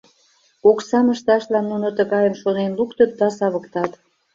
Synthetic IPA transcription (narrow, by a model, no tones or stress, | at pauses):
oksɑməʃt̪ɑʃlɑnːunot̪əɣɑjənʃonenlukt̪ət̪̚d̪ɑsɑβə̆kt̪ɑt̪